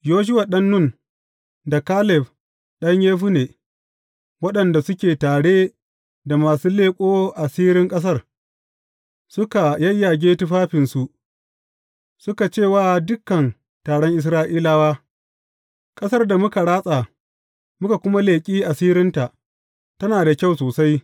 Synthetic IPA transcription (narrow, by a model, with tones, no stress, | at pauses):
joː˦ʃ̬ʊ˦wa˨ɗɐ˦nːʊ˦˨n | da˨kaː˦lɛ˨ɸ | ɗɐ˦ɲjeː˦ɸu˦neː˨ | wɐ˦ɗɐ˨nda˨sʊ˦kʲeː˨taː˨ɽeː˦ | da˨maː˨suː˦leː˦kʷʼoː˦ʔa˨siː˦ɾɪ˦ŋkʼɐ˦s̬ɐ˦r | sʊ˦ka˨jɐ˦jːa˨ɡʲeː˦tʊ˦ɸaː˦ɸɪ˨nsu˨ʔ | sʊ˦ka˨t͡ʃeː˦˨waː˦dʊ˦kːɐ˨n | taː˨ɽɔ˦ŋʔɪ˨s̬ɾaː˦ʔiː˦la˦waː˦ | kʼɐ˦sɐ˦rda˨mʊ˦ka˨ɽaː˦sʼa˨ | mʊ˦ka˨kʷʊ˦ma˦leː˨kʲʼiː˦ʔa˨siː˦ɾɪ˦nta˨ʔ | tɐ˦naː˨da˨kʲa˦˨wsoː˨sa˦j